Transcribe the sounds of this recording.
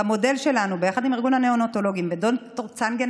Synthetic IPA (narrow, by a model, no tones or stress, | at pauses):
amo̞de̞lʃe̞lanubejaχad̪imiʁɡunhaneonoto̞lo̞ɡimvedontoʁt͡sanɡen